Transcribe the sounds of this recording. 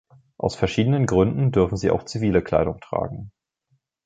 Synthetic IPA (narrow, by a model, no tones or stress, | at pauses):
ʔa̰ʊsfɛɐʃiːdənənɡʁʏndn̩dʏɐfn̩ziːa̰ʊxt͡siviːləkʰl̥a̰ɪɾʊŋtʁ̥a̰ːɡŋ̩